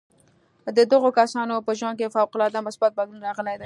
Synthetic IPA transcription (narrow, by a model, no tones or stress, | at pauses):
d̪əd̪aɣokasɑnopəʒwaŋɡ̚kefawqʊlɑd̪amʊsbat̪̚balunɾɑɣəlejd̪a